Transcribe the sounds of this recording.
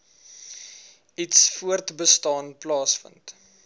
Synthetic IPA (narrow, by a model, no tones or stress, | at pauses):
itsfuərtbəstɑːnplɑːsfə̰nt